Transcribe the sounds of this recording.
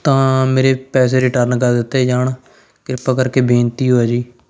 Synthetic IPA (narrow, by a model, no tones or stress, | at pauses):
t̪ãːmeːɾeːpɛːs̬eːɾɪʈəɾnkəɾd̪ɪt̪ːeːd͡ʒaːɳ | kɪɾpaːkəɾkeːbʱẽːnt̪iːɦoːaːd͡ʒiː